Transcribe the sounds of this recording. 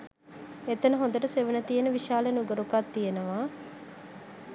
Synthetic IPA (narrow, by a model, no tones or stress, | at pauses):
et̪ənəɦõnd̪əʈəseʋənət̪ijenəʋiʃaːlenuɡəɾukat̪ːijenəʋaː